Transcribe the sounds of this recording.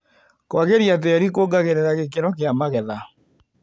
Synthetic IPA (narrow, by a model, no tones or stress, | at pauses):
kwaɣeɾiat̬eːɾikoɡaɣeɾeɾaɣekeɾɔk̬eamaɣɛða